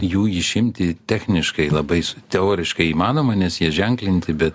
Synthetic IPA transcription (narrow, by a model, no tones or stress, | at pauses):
juːɪʃʲɪmʲt̪ʲɪt̪ʲæːxʲnʲɪʃkɐɪlˠɐbɐɪst̪ʲɛoːɾʲɪʃkɐɪiːmɑːnoːmɐnʲɛsjiɛʒʲɛŋklʲɪnʲt̪ʲɪbʲɛt̪